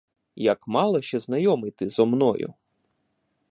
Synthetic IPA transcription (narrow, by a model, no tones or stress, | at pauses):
jɐkmɑlˠɔʃt͡ʃɛznɐjɔmɪt̪ɪzɔmnɔjʊ̰